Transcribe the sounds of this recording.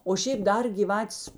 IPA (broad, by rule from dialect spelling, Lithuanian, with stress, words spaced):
oː ˈʃʲeːp ˈdɐr ɡʲiːˈʋɑːtʲeːs